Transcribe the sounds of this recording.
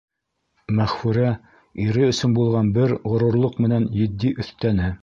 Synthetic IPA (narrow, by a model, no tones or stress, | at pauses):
mæχfɘ̆ɾæ | iɾɘɵ̆sɵnbulˠʁɑnbɘɾʁŏɾŭɾlˠoqmɘ̆nænjɘ̆d̪ːiʔɵ̆θt̪ænɘ